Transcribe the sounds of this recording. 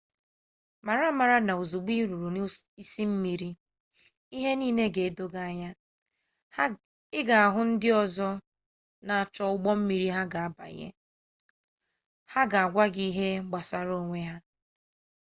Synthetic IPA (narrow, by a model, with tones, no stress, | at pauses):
ma˨ɾa˦ma˨ɾa˦na˨u˨zu˨ɡ͡bi˦ɾu˨ɾu˨n˦i˦si˦m̩˦mi˨ɾi˦ | i˦ɦe˦niː˦ne˦ɡe˨e˦˨do˦ɡa˦ɲa˦ | ɪ˦ɡa˨a˨ɦʊ˦n̩˦dɪ˦ɔ˦zɔ˦ | na˨a˨t͡ʃɔ˦ʊ˦ɡ͡bɔ˦m̩˦mi˨ɾi˦ɦa˦ɡa˨a˦ba̰˨˦ḛ˦ | ha˦ɡa˨a˨ɡʷa˦ɡi˦ɦe˦ɡ͡ba˨sa˦ɾo˦ŋʷe˦ɦa˦